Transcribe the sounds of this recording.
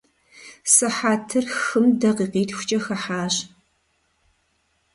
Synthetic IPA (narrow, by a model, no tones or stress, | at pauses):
sɨħaːtʰɨrxɨmdɐqiːqiːtʰxʷʊ̥t͡ʃʼɐxɐħaːɕ